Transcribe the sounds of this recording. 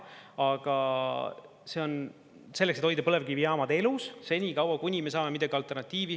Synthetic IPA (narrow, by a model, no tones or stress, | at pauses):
ɑɡ̥ɑ | se̞on | se̞lːekset̪ho̞jd̪ɑpɤle̞vɡiviɑːmɑd̪e̞lusse̞nʲikɑwɑkunʲimesɑːme̞mid̪ɑɡiɑlt̪ˑe̞rnɑt̪ʲˑːiːvi